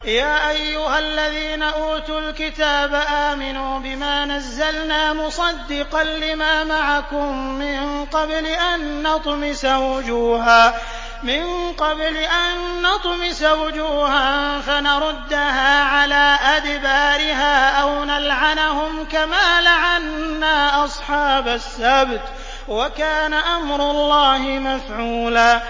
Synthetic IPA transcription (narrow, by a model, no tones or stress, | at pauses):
jaːʔajːʊhalːaðiːnaʔuːt̪ʊlkɪt̪aːbaʔaːmɪnuːbɪmaːnazːalnaːmʊsˤɑd̪ːɪqɑnlɪmaːmaʕakʊmːɪnqɑblɪʔanːɑt̪ˤmɪsawʊd͡ʒuːɦaː | mɪnqɑblɪʔanːɑt̪ˤmɪsawʊd͡ʒuːhanfanaɾˤʊd̪ːaɦaːʕalaːʔad̪baːɾɪɦaːʔawnalʕanahʊmkamaːlaʕanːaːʔɑsˤħɑːbasːabt̪ | wakaːnaʔamɾʊlˤːɑːhɪmafʕuːlaː